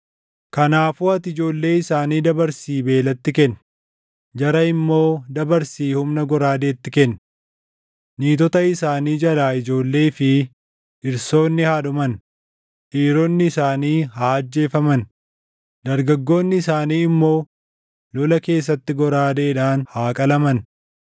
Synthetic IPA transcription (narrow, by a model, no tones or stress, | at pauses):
kɐnaːfuːɐt̪ɪd͡ʒo̞ːlːe̞ːɪsaːniːd̪ɐbɐɾsiːbe̞ːlɐt̪ːɪkɛnː | d͡ʒɐɾɐɪmːo̞ːd̪ɐbɐɾsiːhʊmnɐɡɔɾaːd̪e̞ːt̪ːɪkɛnː | iːt̪ɔt̪ɐɪsaːniːd͡ʒɐlaːɪd͡ʒo̞ːlːe̞ːfɪ | ʔɪɾso̞ːnːɪhaːᶑʊmɐn | ʔiːɾɔnːɪːsaːniːhaːɐd͡ʒːe̞ːfɐmɐn | d̪ɐɾɡɐɡːo̞ːnːɪɪsaːniːɪmːo̞ː | lɔlɐke̞ːs̬ːɐt̪ːɪɡɔɾaːd̪e̞ːᶑaːnhaːkʼɐlɐmɐn